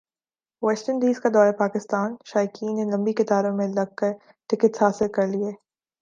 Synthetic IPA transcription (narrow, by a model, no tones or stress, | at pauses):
ʋɛsʈəɾndiːzkad̪ɔːɾapaːkɪst̪aːnʃaːjkʰiːnːelɐ̃mbikɪt̪aːɾõmẽlɐɡ̚kɐɾ | ʈɪkət̪saːsɪlkɐɾlieː